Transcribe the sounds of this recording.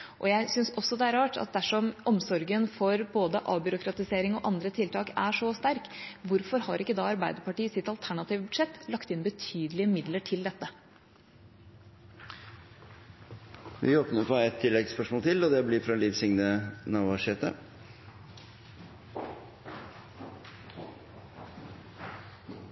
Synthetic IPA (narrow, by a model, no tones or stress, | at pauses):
ʔɔjæɪsʏnsɔsːɔd̪ɛæɾɑːʈɑ̰t̪̚d̪æʂɔmɔmsɔɾɡənfɔɾboːd̪əʔɑ̰ːbʏɾʊkɾɑt̪ɪseːɾɪŋɔʔɑnd̪ɾət̪ʰɪlt̪ʰɑːkæʂɔst̪æɾkʋʊɾfɔɾhɑɾʔɪkːəd̪ɑːɑɾbæɪd̪əɾpɑʈiːəsɪt̪ɑlt̪ʰæɳɑt̪iːʋəbʉd̪ʂɛt̪ːlɑkt̪ɪnbət̪ʰyːd̪əlɪəmɪd̪ləʈʰɪld̪ɛt̪ːə | ʋɪ̰oːpnəɾpʰɔɛt̪ʰːɪlːɛɡspœʂmɔːlt̪ʰɪlɔd̪ɛblɪfɾɑliʋsɪŋnənɑʋɑʂeːt̪ə̰